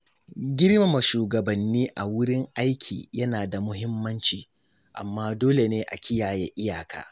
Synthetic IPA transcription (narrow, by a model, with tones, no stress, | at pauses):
ɡʲɪ˦ɽma˨mɐ˨ʃuː˨ɡɐ˨bɐ˨nːiː˦ʔa˨wʊ˦ɽɪ˦ŋʔa˦jkʲʰḭː˨jɐ˦naː˨da˨mʊ˦ɦɪ˦mːɐ˦nt͡ʃiː˨ | ʔa̰˨mːaː˦doː˦le˨neː˦ʔa̰˨kʲɪ˦jaː˨jḛ˦ʔɪ˦jaː˨kʰa̰ː˨